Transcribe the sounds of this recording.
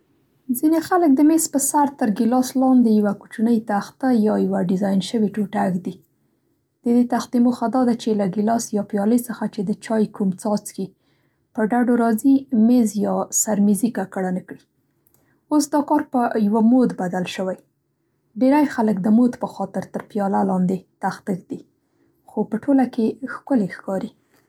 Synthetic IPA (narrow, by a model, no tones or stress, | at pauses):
zinexalək̚d̪əmezpəsaɾt̪əɾɡɪlɑslɑnd̪ejawakut͡ʃanəjt̪axt̪ajɑjawaɖɪzɑjnʃəwiʈoʈaɡd̪i | d̪̥əd̪et̪axt̪imoxad̪ɑd̪at͡ʃelaɡɪlɑsjɑpjɑləjsəxat͡ʃed̪ət͡ʃɑjkumt͡sɑt͡ski | pəɖaɖoɾɑzimezjɑsaɾmizikakaɽanəkɽi | osd̪ɑkɑɾpəjawamod̪bad̪alʃəwaj | beɾajxaləkd̪əmod̪pəxɑt̪ɪɾt̪əɾpjɑlalɑnd̪et̪axt̪ək̚d̪i | xopəʈʰolakexkʊlexkɑɾi